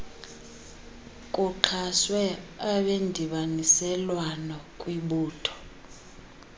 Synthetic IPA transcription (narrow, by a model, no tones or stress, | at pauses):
kʼuǃʰaswɛaɓendʱiɓanisɛlwanɔkʼwiɓuːtʰɔ̥